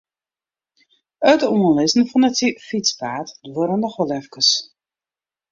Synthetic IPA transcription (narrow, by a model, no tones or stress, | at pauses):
ətuənlɪzn̩fɔnətsifit͡spaːtdʋøɾəndəxɔlɛfkəs